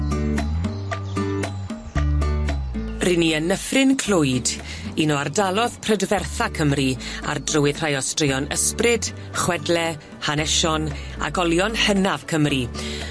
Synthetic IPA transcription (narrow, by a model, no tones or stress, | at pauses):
rɪniənəfrɪnkʰl̥ʊjd | inɔardalˠɔðpʰrədvɛrθakʰəmria̰rdrʊwɪðr̥ajɔstrɪɔnəsprɨd̥ | χwɛdlɛ | hanɛʃɔna̰ɡɔlˠjɔnhənav̥kʰəmri